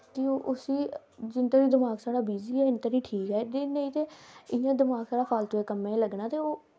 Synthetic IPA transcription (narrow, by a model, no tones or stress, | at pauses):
kɪoʔʊsiː | d͡ʒɪnt̪oːɾiːd̪ɪmaːɡsaːɽaːbiːziːɛːɪnt̪əːɾiːʈʰiːkɦɛːt̪enẽĩːt̪eːɪjãːd̪ɪmaːɡsaːɽaːxʰaːlt̪õːeːkəmːẽːləɡnaːt̪eːoː